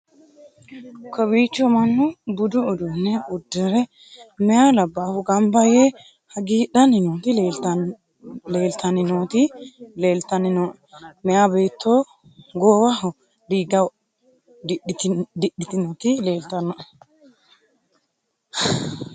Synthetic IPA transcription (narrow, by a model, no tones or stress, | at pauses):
kʰɔbiːt͡ʃːɔmɐnːʊbʊd̪ʊʊd̪ʊnːɛʊd̪ːɛɾɛ | mɛjaːlɐbːaːfʊɡɐmbɐje | hɐɡiːɗɐnɪnoːt̪ɪ | le̞ːlt̪ʰɐnɪnoːt̪ɪle̞ːlt̪ːɐnɪnɔʔ | mɛjabe̞ːt̪ʰːoː | ɡoːwɐɦɔ | d̪iːɡɐw | dɪd̪ɪɗɪt̪ɪnɔt̪ɪleːlt̪ɐnːɐʔ